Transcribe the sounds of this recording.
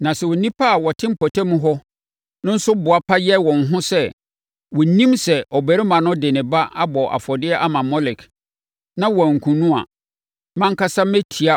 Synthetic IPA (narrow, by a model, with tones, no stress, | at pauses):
nã˨sɛ˨wɔ˨nĩ˦pʰa˦˨wɔ˨tʰɪ̃˦m̩˦pʰɔ˨tʰa˦mũ˦ɦɔ˦ | nʊ̃˦n̩˦sʊ˦bʊ˨a˦pʰa˦jɛ˦wɔ̃˨ŋ̩˨ɦʊ̃˦sɛ˦ | wɔ˨nĩ˦msɛ˨ʔɔ˨bɛ˨ɾɪ˦mã˨nʊ̃˦dɪ˨nɪ̃˨ba˦ʔa˦bɔ˨ʔa̰˨fɔ˨dɪ˦ɛ˦ʔa˦mã˨mɔ˦lɪ˨kʰ | nã˦wɔ̃˨ŋ̩˨kʰũ˨nũ˦a̰˨ | mã˦ŋ̩˦ka˦sa˦mɛ˦tʰi˨a˦